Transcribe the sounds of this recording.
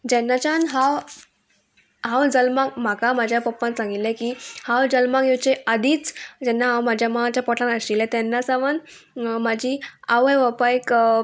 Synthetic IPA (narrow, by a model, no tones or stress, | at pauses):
d͡ʑɛnːat͡ɕanɦãw | ɦãwd͡zəlmakm̤akamad͡ʑʱjapəpːãnsãŋɡit̪lɛ̃kiːhãwd͡zəlmaɡjut͡ɕead̪iːt͡sd͡ʑɛnːaɦãwmad͡ʑʱjamat͡ɕjapɔʈʰãnəɕilɛ̃t̪ɛnːasaʋən | mad͡ʑʱiːaʋəjʋəpajk